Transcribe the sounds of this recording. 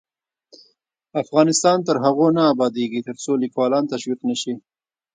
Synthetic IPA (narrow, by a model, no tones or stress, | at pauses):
afɣɑnɪst̪ɑnt̪əɾɦaɣonaːbɑd̪eɡit̪əɾt͡solikwɑlɑnt̪aʃwiqnəʃi